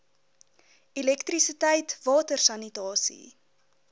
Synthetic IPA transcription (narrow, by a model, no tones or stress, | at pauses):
ilɛktrisitɛjtvɑːtərsɐnitɑːsḭ